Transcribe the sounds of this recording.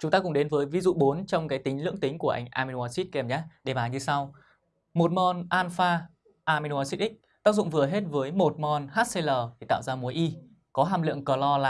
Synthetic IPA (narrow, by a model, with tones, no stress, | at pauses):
t͡ɕʊ˨˦ŋ͡mt̪aː˧kʊ̰˧˥ŋ͡mɗe˨˦nvəː˨˦jvi˨˧˦zṵ˧˨ɓo˨˦nt͡ɕɔ˧wŋ͡mkaː˨˦jt̪ï˨˦ŋ̟lɨ̰˧˥əŋt̪ï˨˦ŋ̟ku˧˩əʔa˧jŋ̟ʔaː˧mi˧u˧aː˧si˦˥t̚kɛ˨˧˩mɲaː˨˦ɗe˨˩ɓaː˨˩nɲɨ˧sa˧w | mo˨˩t̚mɔ˧nʔaː˧nfaː˧ | ʔaː˧mi˧n˧aː˧si˦˥t̚ʔï˦˥k̚t̪aː˦˥k̚zʊ̰˧˨ŋ͡mvɨ˨˩əɦe˦˥t̚vəː˨˦jmo˨˩t̚mɔ˧nhaː˦˥t̚se˧ləː˨˩ɗe˨˧˩t̪a̰ː˧˨wzaː˧mu˨˦əjʔi˧ | kɔ˨˦ɦaː˧mlɨ̰˧˨əŋkəː˨˩lɔ˧la̰ː˨